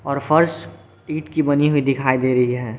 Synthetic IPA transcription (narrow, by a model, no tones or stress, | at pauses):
ɔːɾfʰɐɾs | iːʈkibɐniɦʊid̪ɪkʰaːid̪eːɾɐɦiɦɛː